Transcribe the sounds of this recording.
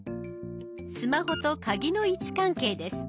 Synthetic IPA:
sɨmaho̞t̪o̞kaɡʲino̞it͡ɕi̥kãŋke̞ːd̪e̞sɨ̥

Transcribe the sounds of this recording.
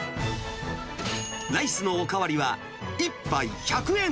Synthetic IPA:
naisɨno̞ːkaβaɾʲiβa | ipːaiçakɯ̟ẽ̞

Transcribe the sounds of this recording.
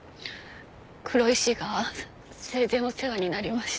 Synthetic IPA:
kʰɯ̟ɾo̞iɕiɡa | sezẽ̞oseɡaɲ̟inaɾʲimaɕi̥

